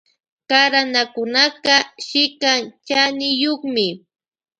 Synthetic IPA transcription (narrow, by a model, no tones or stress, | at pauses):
kaɾanakʊnakaʃɪkaŋt͡ʃanɪjoχmɪ